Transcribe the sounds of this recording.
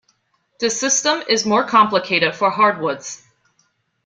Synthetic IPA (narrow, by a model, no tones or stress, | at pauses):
ðɨsɪstə̃mɪzmɔɹkʰɑ̃mpləkʰeɪɾɨd̥fə˞ɦɑɹd̚wʊdz̥